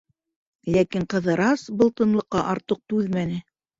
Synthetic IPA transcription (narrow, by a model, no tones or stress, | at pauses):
lækiɴqɤ̆ðɤ̆ɾɑsbɤ̆lˠt̪ɤ̆nlˠɤ̆qːɑʔɑɾt̪ɤq̚t̪ʉðmænɘ